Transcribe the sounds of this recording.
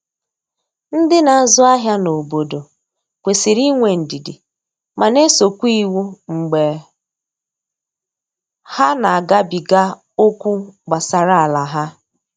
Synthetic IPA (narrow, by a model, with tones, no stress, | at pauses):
n̩˦dɪ˦na˨a˨zʊ˦a˦ɦja˦no˨bo˨do˨ | kʷe˨si˨ɾi˦ŋʷe˨n̩˨di˨dɪ̰˨ | ma˨ne˦so˨kʷu˦i˦˨wu˦ŋ͡m̩˨ɡ͡be˨ | ha˦na˨a˨ɡa˦bi˨ɡa˦ | o˦kʷu˦ɡ͡ba˨sa˨ɾa˦a˨la˨ɦa˦